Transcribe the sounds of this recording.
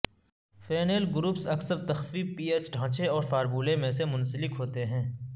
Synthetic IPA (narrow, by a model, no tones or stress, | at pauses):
feːneːlɡʊɾuːpsɐksəɾt̪ɐxfipiːeːt͡ʃɖʱãːt͡ʃeɔːɾfaːɾbuːlẽmẽsemʊ̃nsəlɪkɦoːt̪eɦɛ̃ː